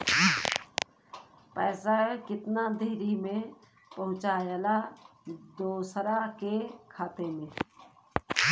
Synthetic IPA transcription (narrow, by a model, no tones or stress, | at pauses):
pɛːsakɪt̪nad̪ʱeːɾimẽ | pəɦʊ̃t͡ʃaːjala | d̪oːsɾakekʰaːt̪emẽː